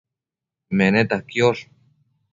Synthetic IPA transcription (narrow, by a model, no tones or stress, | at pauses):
menet̪ahkjoʂ